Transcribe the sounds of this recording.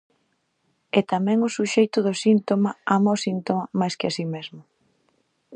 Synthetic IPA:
ɛt̪amɛ̃ŋʊsuʃejt̪ʊðʊsint̪omaamaosint̪omamajskɪasimezmʊ

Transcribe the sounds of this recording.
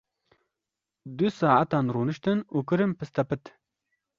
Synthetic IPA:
d̪usaːʕat̪aːnɾuːnɨʃt̪ɨnuːkɨɾɨmpɨst̪ɐpɨt̪

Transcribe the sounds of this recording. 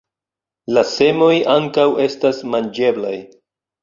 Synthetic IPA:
lase̞mo̞jaŋkawe̞stasmand͡ʒe̞blaj

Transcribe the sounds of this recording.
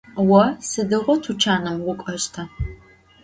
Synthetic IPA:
wɐsɨdɨʁʷɔtʰut͡ʃʰaːnɨmwʷʊkʷʼɐʃtʰɐ

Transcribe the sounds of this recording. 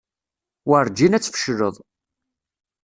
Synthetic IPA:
wəɾˤd͡ʒːinæt͡sːfə̥ʃləðˤ

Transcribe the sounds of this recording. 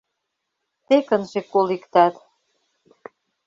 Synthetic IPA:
t̪ekə̆nʒekːolikt̪ɑt̪

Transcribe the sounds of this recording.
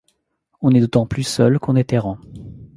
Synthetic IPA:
ɔ̃nɛd̪ot̪ɑ̃plysœlkɔ̃nɛt̪ɛʁɑ̃

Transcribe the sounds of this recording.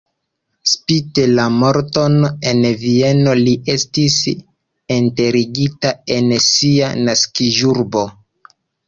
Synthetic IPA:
spitelamoɾto̞ne̞nvie̞no̞liʔe̞stis | ente̞ɾiɡitae̞nsianaskiʒuɾbo̞

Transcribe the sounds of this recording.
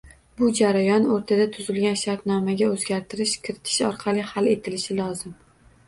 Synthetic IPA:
bʊd͡ʒaɾajɒnoɾt̪ʰad̪at̪ʰʊzɪlɡʲanʃaɾt̪nɒmaɡʲaɵzɡʲaɾt̪ʰɪɾɪʃkʲʰɪɾɪt̪ʰɪ̥ʃɒɾqʰɑlˠɪhale̞t̪ʰɪlɪʃɪlˠɒzɪm

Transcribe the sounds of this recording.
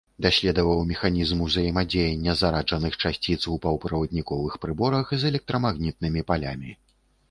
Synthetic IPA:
d̪asʲlʲɛd̪ɔvɐwmʲɛxanʲizmuzɐjɛmad͡zʲejɐnʲːɐzaɾad͡ʐɐnɨxt͡ʂasʲt͡sʲit̪swpɐwpɾɐvɐd̪nʲikɔvɨxpɾɨbɔɾɐxzɛlʲɛk̚t̪ɾɐmaɣnʲit̪̚nɨmʲipalʲamʲi

